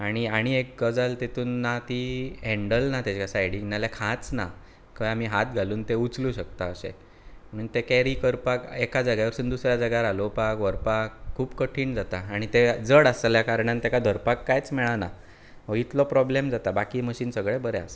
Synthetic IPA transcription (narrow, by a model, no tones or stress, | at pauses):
aɽ̃iaɽ̃iek̚ɡəd͡zalt̪it̪uːnːat̪iɦeɳɖəlnat̪ed͡ʑkasajɽiŋnaljakʰãt͡sna̰ | kəjam̤iɦat̪̚ɡʱaluːnt̪eut͡slũɕək̚t̪aəɕḛ | mənt̪ekɛɾiːkəɾpakekad͡zəɡaʋəɾsuːnd̪usɾjad͡zəɡaɾalopakʋəɾpakʰːuːpkəʈʰiːɳd͡zat̪aːɽ̃it̪ed͡zəɽəsljakaɾɳ̃ant̪ekad̪ʱəɾpakːajt͡smɛɭana | ʋəit̪lɔpɾɔblemd͡zat̪abakiːməɕiːnsəɡɭebəɾea̰se